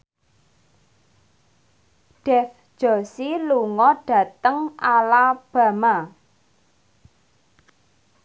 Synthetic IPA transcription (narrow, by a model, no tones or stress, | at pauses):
ɖ̥ɛfd̥ʒ̥ɔ̤siluŋɔɖ̥ä̤t̪əŋʔalab̥ä̤ma